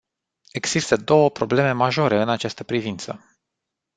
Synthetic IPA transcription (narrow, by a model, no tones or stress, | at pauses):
e̞ɡz̥ist̪əd̪o̞wəpɾo̞ble̞me̞maʒo̞ɾe̞ɨnat͡ʃast̪əpɾivint̪sə̰